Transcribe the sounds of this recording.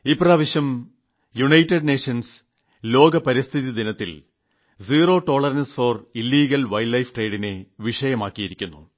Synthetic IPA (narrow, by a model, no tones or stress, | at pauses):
ipraːʋiɕjɐm | juɳɐjtːeɖneːʂɐns | lo̞ːɡɐpɐɾist̪ʰiðid̪inɐt̪ːḭl | ziːro̞ːʈo̞ːɭɐrnɐnsfoːrilːiːɡɐlʋɐjlːɐjfʈre̞ːɖineʋiʂɐjɐmaːkːijiɾikʲːunːṵ